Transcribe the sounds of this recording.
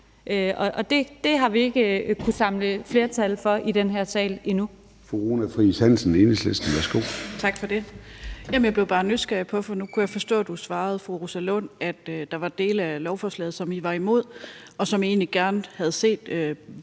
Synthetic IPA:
ʔɒ̽ʔɒ̽d̥e̝d̥e̝ɦɑ̈ʋie̝ɡ̥əkʰusɑ̈mləfle̝ːɐt͡sʰælfɒ̽ʔid̥enɦeɐ̰sɛ̰ːlenu | fʁuʁonæfʁisænsn̩enəslesd̥n̩ʋæɐsɡ̥o̝̰ːt͡sʰɑ̈ɡ̥fɒ̽d̥e̝jemnjɑb̥le̝ʊb̥ɑ̈ːnysɡ̥ɛpʰɒ̽fɒnukʰujɑfɒ̽sd̥ɔ̰ːd̥usʋɑ̈ːð̞̩ˠfʁuʁusælɔnæd̥ød̥ɑ̈ʋɑ̈d̥e̝̰ːləælɒʊfɒːslɛ̰ːð̞̩ˠsɒ̽miʋɑ̈imo̝ð̰ˠɒ̽sɒ̽mie̝̰ːnliɡ̥æɐnhæð̞̩ˠse̝̰ːd̥ø

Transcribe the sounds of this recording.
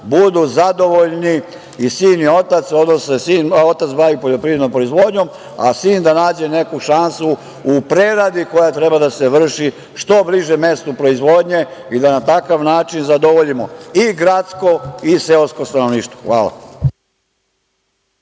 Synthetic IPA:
bud̪uzad̪o̞ʋoʎni | isiːnio̞t̪at̪so̞d̪nossesiːnot̪at̪sbajupo̞ʎo̞pɾiːʋed̪nompɾoizʋo̞ːd̪ɲom | a̰siːnd̪anaːd͡ʑe̞ne̞kuʃansu | upɾeɾad̪iko̞jat̪ɾe̞bad̪ase̞ʋr̩ʃi | ʃt̪o̞bliʒeme̞st̪opɾo̞izʋo̞d̪ɲe̞id̪anat̪akaʋnaːt͡ʃinzad̪oʋoʎimoiɡɾat̪sko̞iseosko̞st̪ano̞ʋniːʃt̪ʋoxʋa̰ːla̰

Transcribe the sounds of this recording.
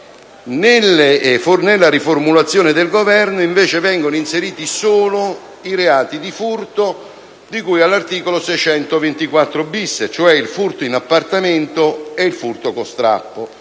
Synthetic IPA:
nelefornelːaɾiformulat̪sːjoːnɪd̪elɡovɛrnoiɱveːt͡ʃevɛŋɡonoinseɾiːt̪isoːlo | iɾeaːt̪id̪ifurt̪o | d̪ikujalːart̪iːkolosɛjt͡ʃɛnt̪ovent̪ikwat̪ːɾobisːet͡ʃoɛilfurt̪oinapːart̪amɪnt̪oeilfurt̪okost̪ɾa̰pːo

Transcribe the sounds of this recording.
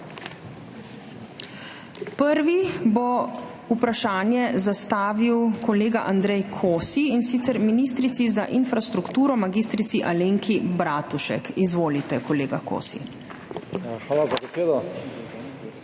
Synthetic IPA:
pəɾʋibɔ | upɾaʃaːnjɛzast̪aːʋiwkɔleːɡaʔand̪ɾɛjkʰoːsiinsiːt̪sɛɾminiːst̪ɾit̪sizaʔinfɾast̪ɾukt̪uːɾɔmaɡiːst̪ɾit̪siʔaleːŋkʰibɾaːt̪uʃɛ̰kizʋoːlit̪ɛkɔleːɡako̰ːsḭ | xalazabɛseːd̪ɔ

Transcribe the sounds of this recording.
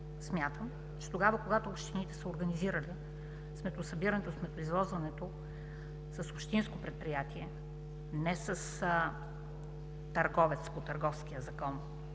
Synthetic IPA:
smʲjat̪əm | t͡ʃɛ̥t̪oɡavəkoɡat̪oːpʃt̪init̪ɛ̥sɛoɾɡɐniziɾəli | smɛt̪ʊsɐbiɾɐnɛt̪osmɛt̪ʊizlˠɔzvɐnɛt̪o | səsopʃt̪inskopɾɛt̪̚pɾijat̪iɛ | nɛsəs | t̪ɐɾɡɔvɛt̪spot̪ɐɾɡɔfsk̟iəzɐkɔn

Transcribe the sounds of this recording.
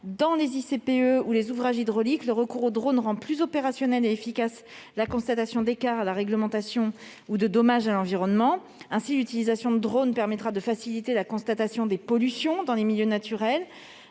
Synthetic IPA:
d̪ɑ̃lezisepeøulezuvʁaʒid̪ʁɔlikləʁəkuʁod̪ʁonʁɑ̃plyzɔpeʁasjɔnɛleefikas | lakɔ̃st̪at̪asjɔ̃d̪ekaʁalaʁɛɡləmɑ̃t̪asjɔ̃ | ud̪əd̪ɔmaʒalɑ̃viʁɔnmɑ̃ | ɛ̃silyt̪ilizasjɔ̃d̪əd̪ʁonpɛʁmɛt̪χad̪əfasilit̪elakɔ̃st̪at̪asjɔ̃d̪epɔlysjɔ̃d̪ɑ̃lemiljønat̪yʁɛl

